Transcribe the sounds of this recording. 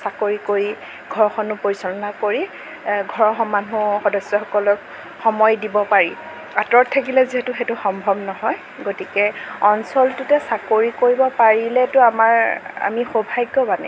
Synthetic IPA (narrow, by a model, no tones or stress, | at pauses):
sakoɹikoɹi | ɡʱɔɹɔxɔnʊpoɹisɔlɔnakoɹi | ɡʱɔɹɔxɔmanuxɔdɔsːɔxɔkɔlɔk | xɔmɔjdibɔpaɹi | atɹɔttʰːakilɛziɦɛtʊxɛtʊxɔmbʱɔbnɔɦɔj | ɡotikɛɔnsɔltʊtɛsakoɹikoɹibɔpaɹilɛtʊamaɹa̰mixobʱajɡɔbanɛ̰